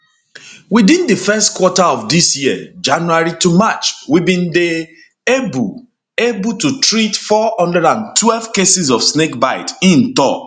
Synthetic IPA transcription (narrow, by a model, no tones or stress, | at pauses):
widĩndəfɛstkwɔtaɔfdisjiə̰d͡ʒãnuaɹitumat͡ʃwibĩnde | eb | ebututɹitfɔɔ̃ndəɹãntwɛlvkesɪzɔfsnek̚baɪtĩntɔ̰